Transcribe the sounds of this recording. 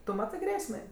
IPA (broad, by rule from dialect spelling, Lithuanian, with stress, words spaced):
tʊ ˈmɑːtɜ ˈɡrʲeːsʲmʲeː